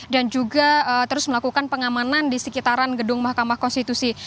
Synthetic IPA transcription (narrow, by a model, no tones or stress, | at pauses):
dand͡ʒuɡaət̪əɾʊsməlakukanpəŋamanandisəkit̪aɾanɡədʊŋmahkamahkɔnst̪it̪usi